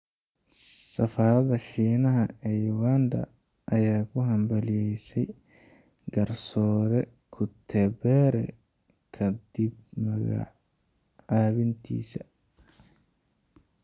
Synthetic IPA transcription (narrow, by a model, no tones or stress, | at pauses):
sɐfaːɾɐðɐħiːnɐɦɐɛjuɣand̪ɐ̰ʔɐjaːkʰʊɦɐmbɐlɪjɛjsɛj | ɡɐrsɔːɾɛkʰʊt̪ʰɛbɛɾɛ̰kʰɐd̪ibmɐɣɐ̰ʕ | ʕaːβɪnt̪ʰḭːsɐ